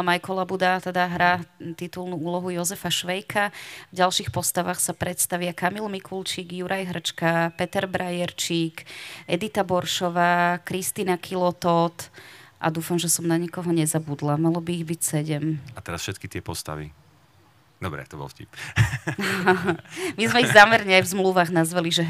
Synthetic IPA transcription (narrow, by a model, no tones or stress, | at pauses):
majkɔlabud̪at̪ɛd̪aɦɾaːt̪it̪ulnuuːlɔɦujɔzɛfaʃʋɛjkʰavɟalʃixpɔst̪aʋaxsapɾɛt̪st̪aʋɪakamilmikult͡ʃiːɡjuɾʔajɦrt͡ʃkapɛt̪ɛɾbɾʔajɛɾt͡ʃiːkɛd̪it̪abɔɾʃɔʋaːkɾist̪iːnakʰilɔt̪ɔt̪ʔa̰d̪uːfamʒɛsɔmnaɲikɔɦɔɲɛzabud̪lamalɔbiːɣbicsɛɟɛmat̪ɛɾasfʃɛt̪̚kit̪ɪɛpɔst̪a̰ʋḭ | d̪ɔbɾɛ̰t̪ɔbɔ̰lfcḭp | mizmɛizaːmɛɾɲɛajvzmluʋaːɣnazʋaliʒɛ